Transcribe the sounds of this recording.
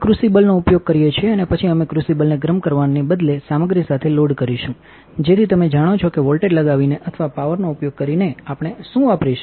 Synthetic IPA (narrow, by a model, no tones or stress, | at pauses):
kɾusibəlnoupjoɡ̚kəɾijet͡ʃʰieənepət͡ʃʰiəmekɾusibəlneɡɾəmkəɾʋanːebəd̪lesaməɡɾisat̪ʰeloɽkəɾiʃũ | d͡ʒet̪ʰit̪əmed͡ʒaɽ̃ot͡ʃʰɔkeʋɔlʈeɖləɡaʋineʔət̪ʰəʋapaʋəɾnoupjoɡ̚kəɾineapɽ̃eʃũapɾiʃ